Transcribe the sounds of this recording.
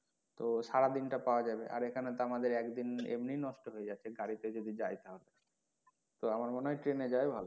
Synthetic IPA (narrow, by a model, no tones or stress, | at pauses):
t̪oʃaɾad̪inʈapaoad͡ʑabeʔa̰ɾekʰanet̪oamad̪eɾɛkd̪inḛmninɔʃʈoɦojed͡ʑatːɕʰeɡaɽit̪ed͡ʑod̪id͡ʑajt̪eɦɔbe | t̪oamaɾmonʈɾened͡ʑaebʱalo